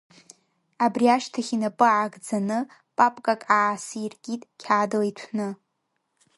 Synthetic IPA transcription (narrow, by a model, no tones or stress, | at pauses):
abriaʃtʰaχʲinapʼɨʕaɡʼd͡zanɨ | pʼapʼkʼakʼaʕːsɨirɡʲʼitʼkʲʰaːdɨlitʷʰnɨ